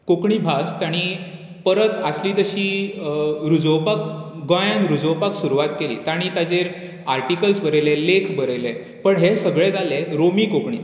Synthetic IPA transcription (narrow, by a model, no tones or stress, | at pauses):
kokɳiːbʱast̪jaɽ̃i | pəɾət̪əsliːt̪əɕiː | ɾud͡zowpak̚ɡõjãnɾud͡zowpaksuɾuʋat̪kelḭːt̪aɽ̃it̪ad͡zeɾ | aɾʈikəlsbəɾəlelekʰbəɾəle | pəɳɦesəɡɭed͡zaleɾomiːkokɳḭː